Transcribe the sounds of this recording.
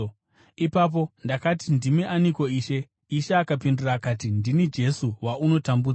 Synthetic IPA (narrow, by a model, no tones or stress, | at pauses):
ipaːp̬o̞ndakatindimeʔaniko̞iːʃe̞ | iʃeakapinduraːkat̬indinid͡ʒe̞suwauno̞tambu